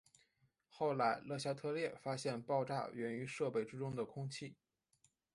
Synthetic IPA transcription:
xo˥˩ʊla˧˥ɪlɤ˥˩ɕja˥t̪ʰɤ˥˧ljɛ˥˩fa˥ɕjɛ˥˧npɑ˥˧ʊʈ͡ʂa̰˥˩ɥɛ˧˥ny˧˥ʂɤ˥˧pe˥˩ɪʈ͡ʂɻ̩˥ʈ͡ʂʊ˥ŋd̪ə˨kʰʊ˥ŋt͡ɕʰi˥˩

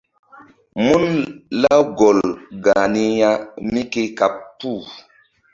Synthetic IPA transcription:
mu˦nla˦ɡo˨lɡa˨ni˦ja˦mi˦ke˦ka˨pːu˦˨

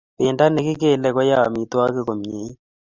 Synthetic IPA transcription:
pɪ˨nda˦ne˨kɪ˦k̬e˦˨lɛ˨kɔ˦ja˦˨mi˨t̪wa˦ke˦ko˨m˨e˨˦

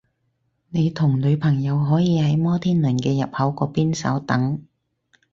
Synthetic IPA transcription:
ne˨˧jt̪ʰʊ˨˩ŋlɵ˨˧ɥpʰɐ˨˩ŋjɐ˨˧wɦɔː˨˥jiː˨˧hɐ˨˥jmɔː˥t̪ʰiː˥nlɵː˨˩nkɛː˧jɐ˨p̚hɐ˨˥wkɔː˧piː˥nsɐ̰˨˥wt̪ɐ˨˥ŋ

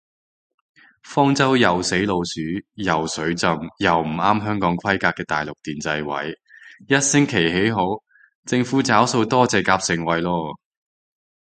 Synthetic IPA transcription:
fɔː˥ŋt͡sɐ˥wjɐ˨wse˨˥jlo˧wsyː˨˥jɐ˨˩wsɵ˨˥ɥt͡sɐ˧mjɐ˨wm̩˨˩aː˥mɦœː˥ŋkɔː˨˥ŋkʰɐ˥jkaː˧kːɛː˧t̪a̰ː˨jlʊ˨k̚t̪iː˨nt͡sɐ˧jwɐ̰˨˥j | jɐ˥t̚sɪ˥ŋkʰe˨˩jɦe˨˥jɦo˨˥w | t͡sɪ˧ŋfuː˨˥t͡saː˨˥wso˧wt̪ɔː˥t͡sɛː˨˧kaː˧p̚sɪ˨˩ŋwɐ˨jlɔː˧

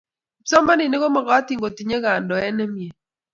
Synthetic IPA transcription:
sɔ˦ma˦nɪ˨nɪ˦ɣɔ˦mɔ˨ɣa˦t̪i˨ŋɡo˨ti˨ɲe˦ɣa˨ndɔ˨ɛ˦nɛ˦mje˨

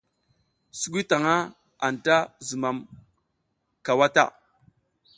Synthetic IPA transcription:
su˦ɡʷi˦ta˨ŋa˦ | a˨n˨ta˦zu˨ma˨m | ka˨wa˦ta̰˦˨

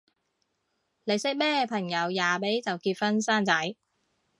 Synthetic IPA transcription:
le˨˧jsɪ˥k̚mɛː˥pʰɐ˨˩ŋjɐ˨˧wjaː˨pe˨˥jt͡sɐ˨˩wkiː˧t̚fɐ˥nsaː˥nt͡sɐ˨˥j

